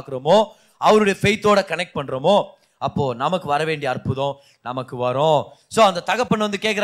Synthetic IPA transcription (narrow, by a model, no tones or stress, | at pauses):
kɯɾɐmoː | ɐʋɐɾɯɽɐjɐfɛɪt̪ːoːɽɐkɐnɛk̚ʈ̚pɐɳːɯɾɐmoː | ɐpːoːnɐmɐkːɯʋɐɾɐʋeːɳɖɪɐɐɾpɯðõ | nɐmɐkːɯʋɐɾõsoːɐnd̪ɐt̪ɐɣɐpːɐɳːʋɐnd̪ɯkeːk̬ːɪɾ